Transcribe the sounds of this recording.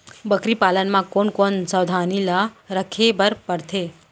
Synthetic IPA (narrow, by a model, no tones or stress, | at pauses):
bəkɾipalənmãkonkonsəwd̪ʱanilaɾəkʰebəɾpəɾt̪ʰe